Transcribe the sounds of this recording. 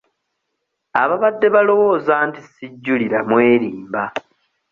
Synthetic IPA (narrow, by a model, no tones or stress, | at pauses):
aβaβadːe̞βalo̞wo̞ːzaːntisiɟːuliɾamwe̞ːɾiːmba